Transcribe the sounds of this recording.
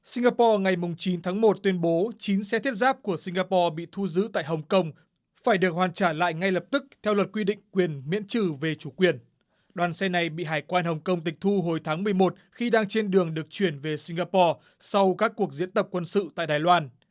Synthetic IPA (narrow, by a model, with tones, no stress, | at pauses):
si˧ŋ̟ɣaː˧pɔ˧ŋa˨˩jmʊ˨˩ŋ͡mt͡ɕi˨˦nt̪ʰaː˨˦ŋmo˨˩t̚t̪wi˧ənɓo˨˦t͡ɕi˨˦nsɛ˧t̪ʰi˦˥t̚zaː˦˥p̚ku˧˩əsi˧ŋ̟ɣaː˧pɔ˧ɓḭ˧˨t̪ʰu˧zɨ̰˧˥t̪a̰ː˧˨jɦə˨˩wŋ͡mkə˧wŋ͡m | faː˧˩jɗɨ˨˩ək̚hwaː˨˩nt͡ɕaː˧˩la̰ː˧˨jŋa˧jlə˨˩p̚t̪ɨ˦˥k̚t̪ʰɛ˧wlə˨˩t̚kwi˧ɗḭ̈˧˨ŋ̟kwi˨˩ənmḭ˧˥ənt͡ɕɨ˧˩ve˨˩t͡ɕu˧˩kwi˨˩ən | ɗwaː˨˩nsɛ˧na˨˩jɓḭ˧˨ɦaː˧˩jkwaː˧nɦə˨˩wŋ͡mkə˧wŋ͡mt̪ï˨˩k̟̚t̪ʰu˧ɦo˨˩jt̪ʰaː˨˦ŋmɨ˨˩əjmo˨˩t̚xi˧ɗaː˧ŋt͡ɕe˧nɗɨ˨˩əŋɗɨ˨˩ək̚t͡ɕwi˧˩ənve˨˩si˧ŋɣaː˧pɔ˧ | sa˧wkaː˦˥kːu˨˩ək̚zḭ˧˥ənt̪ə˨˩p̚kwə˧nsɨ̰˧˨t̪a̰ː˧˨jɗaː˨˩jlwaː˧n